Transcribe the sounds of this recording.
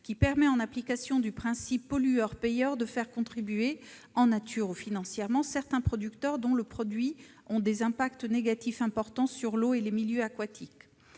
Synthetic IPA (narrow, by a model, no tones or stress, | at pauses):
kʲipɛʁmɛɑ̃naplikasjɔ̃d̪ypχɛ̃sipːɔlyœʁpejœʁd̪əfɛʁkɔ̃t̪χibɥe | ɑ̃nat̪ʰyʁufinɑ̃sjɛʁmɑ̃sɛʁt̪ɛ̃pχɔd̪ykt̪œʁd̪ɔ̃ləpχɔd̪ɥi | ɔ̃d̪ezɛ̃pakt̪neɡat̪ifɛ̃pɔʁt̪ɑ̃syʁloelemiljøakwat̪ʰik